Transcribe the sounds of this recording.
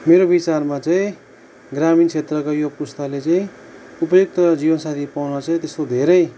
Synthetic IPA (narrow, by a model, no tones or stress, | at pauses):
meɾobit͡sarmat͡saĩ | ɡramint͡sʰet̪rʌkajopust̪alet͡saĩ | upʌjok̚t̪ʌd͡zibʌnsat̪ʰipawnʌt͡saĩt̪est̪od̪ʱeɾʌj